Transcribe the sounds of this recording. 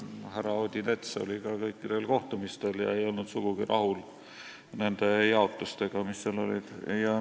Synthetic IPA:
hærɑod̪ʲinet̪seo̰likɑkɤjkːid̪̥e̞lko̞ht̪umist̪e̞ljɑ̰e̞jo̞lnud̪̥suɡ̥uɡ̥irʔɑ̰hul | ne̞nd̪̥e̞jɑo̞t̪ːˑust̪e̞ɡ̥ɑmisːeɑlo̞̰lid̪̥jɑ

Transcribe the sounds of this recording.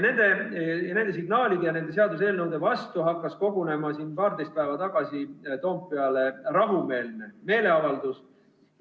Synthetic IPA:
ne̞nd̪̥e̞jɑne̞nd̪e̞s̬iɡ̥nɑːlid̪ejɑne̞ne̞se̞ɑd̪us̬e̞ːlnɤwd̪e̞vɑst̪uɦɑkːˑɑsko̞ɡ̥une̞mɑsiːnpɑːrd̪̥e̞jst̪̚pæevɑt̪ɑɡ̥ɑsit̪o̞ːmpːe̞ɑle̞rɑɦume̞ːlneme̞ːle̞ɑvɑld̪̥us

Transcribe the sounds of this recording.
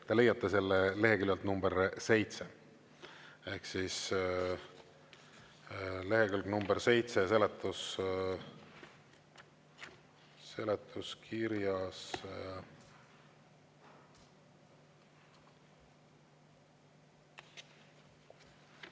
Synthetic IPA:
t̪ele̞jɑt̪ˑːɑselːele̞ɦekyljɑlt̪numb̥eɾse̞jt̪se | e̞hksis | le̞ɦekylɡnumb̥eɾse̞jt̪sese̞let̪ːˑus | se̞let̪ʰːˑuskʰiɾjɑs

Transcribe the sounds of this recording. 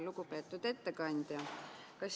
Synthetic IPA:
luɡ̥upe̞ːt̪ːˑud̪̥e̞t̪ːe̞kɑnʲd̪̥jɑ | kɑs

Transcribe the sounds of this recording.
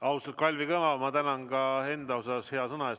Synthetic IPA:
ɑwst̪ɑkɑlʲvikɤmɑmɑt̪ænɑnɡɑe̞nd̪ɑosɑshe̞ɑsɤnɑes

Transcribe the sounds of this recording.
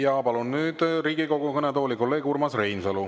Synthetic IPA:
jɑpɑlunːyːd̪̥riːɡiko̞ɡ̥ukɤnet̪o̞ːlʲikolːe̞ːɡ̥urmɑsrejnusɤlu

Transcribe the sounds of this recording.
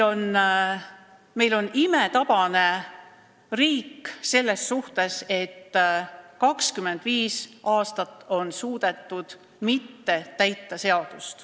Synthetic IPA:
o̞n | me̞jlo̞nime̞t̪ɑb̥ɑne̞ | riːkːse̞lːe̞sːuht̪e̞se̞t̪ː | kɑkskymːe̞nd̪̥viːsɑːst̪ɑt̪ːˑo̞nsuːd̪̥e̞t̪ːˑud̪̥ | mit̪ːe̞t̪æjt̪ːɑse̞ɑd̪̥ust̪

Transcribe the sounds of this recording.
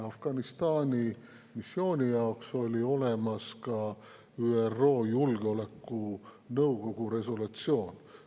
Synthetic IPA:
ɑfɡ̥ɑnist̪ɑːnʲi | misːjo̞ːnʲijɑokso̞lʲio̞le̞mɑskɑ | yːerːo̞ːjulɡeo̞lekːˑu | nɤwɡ̥o̞ɡ̥uɾe̞s̬olut̪sio̞ːn

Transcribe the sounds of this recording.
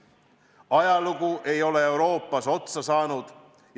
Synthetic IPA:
ɑjɑluɡ̥uʔe̞jo̞le̞ewɾo̞ːpːˑɑso̞t̪sɑsɑːnud̪̥ | j

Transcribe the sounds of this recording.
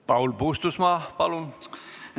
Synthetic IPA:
pɑwlpuːst̪usmɑːpɑlun

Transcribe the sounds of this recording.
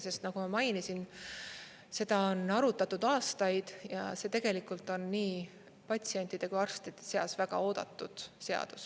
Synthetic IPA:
se̞st̪nɑɡ̥umɑmɑjnisin | se̞d̪̥ɑonɑɾut̪ːˑɑt̪ːud̪̥ɑːst̪ɑjd̪̥jɑ̰se̞t̪e̞ɡ̥e̞likːˑult̪ˑo̞nːiː | pɑt̪ʲsie̞nʲt̪ːˑid̪̥e̞kujɑrst̪it̪ese̞ɑ̰svæɡ̥ɑ̰o̞ːd̪̥ɑ̰t̪ˑːud̪̥se̞ɑ̰d̪̥u̥s

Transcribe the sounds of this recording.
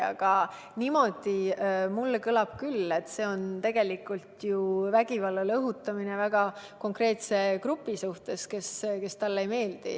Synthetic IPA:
ɑ̰ɡ̥ɑ | nimo̞d̪̥imulːkɤlɑb̥kylːe̞t̪ːˑse̞ːo̞nt̪e̞ɡ̥e̞likːˑult̪juvæɡivɑlːɑlɤɦut̪ːˑɑminevæɡ̥ɑko̞ŋkre̞ːt̪se̞kɾupːˑisuht̪e̞ske̞ske̞st̪ɑlːe̞jme̞ːld̪̥ḭ

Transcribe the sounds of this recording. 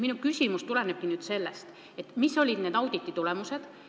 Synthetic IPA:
minukysʲimust̪ule̞neb̥̚kinyːd̪̥se̞lːest̪ | e̞t̪ːmisːo̞lʲid̪̥ne̞d̪ɑwd̪̥it̪ːit̪ulɛmuse̞d̪̥

